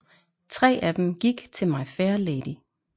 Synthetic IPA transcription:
t͡sʰʁɛ̰ːʔæd̥emɡ̥iɡ̥t͡sʰe̝lmɑ̈ɪfeɐleːd̥i

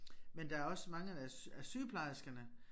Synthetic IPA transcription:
mend̥ɑ̈æɐɒ̽smɑ̈ŋəææsyːpʰlɑ̈ɪsɡ̥ɐnə

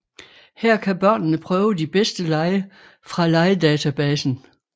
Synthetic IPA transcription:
hæɐ̰kʰæb̥ɶɐ̰nnəpʰʁœːʊəd̥ib̥esd̥əlɑ̈ɪə | fʁɑ̈lɑ̈ɪəd̥ɛːt͡sʰæb̥ɛːsn̩

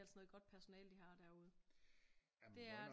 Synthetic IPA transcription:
ælsənɔ̽ːð̩ˠɡ̥ɒ̽d̥̚pʰæɐso̝nɛ̰ːld̥ihɑ̈d̥æɐuð̞̩ˠ | d̥e̝æɐ

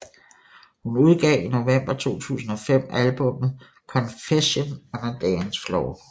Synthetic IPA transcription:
hunuð̞ˠɡ̥ɛ̰ːino̝ʋem̰b̥ɐt͡sʰo̝̰ːt͡sʰṵːsn̩ɒ̽fem̰ælb̥ɔ̽mð̩ˠ | kʰɒ̽nfeɕo̝nɑnɐd̥ɛnsflɒʊ

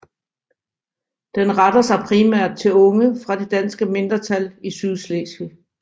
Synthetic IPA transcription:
d̥enʁɑd̥ɐsɑ̈ɪpʰʁimæɐ̰d̥̚t͡sʰe̝lɔ̽ŋəfʁɑ̈d̥e̝d̥ænsɡ̥əme̝nd̥ʁɐt͡sʰælisyðˠslesi

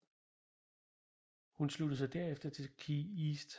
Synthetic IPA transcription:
hunslud̥ðˠs̬ɑ̈ɪd̥æɐefd̥ɐt͡sʰe̝kʰiisd̥

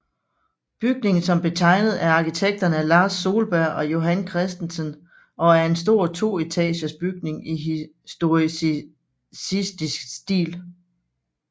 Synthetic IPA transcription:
b̥yɡ̥̚ne̝ŋn̩sɒ̽mb̥e̝t͡sʰɑ̈ɪ̰nəð̞̩ˠæɐɑ̈kit͡sʰeɡ̥̚d̥ɐnəælɑ̈ːsːo̝ːlb̥æɐ̰ɒ̽jo̝ɦænkʰʁɛsd̥en̩sən | ʔɒ̽æɐe̝nsd̥o̝ɐ̰t͡sʰo̝̰ːe̝t͡sʰɛ̰ːɕɐsb̥yɡ̥̚ne̝ŋi | sd̥o̝i | sisd̥isɡ̥sd̥ḭːl

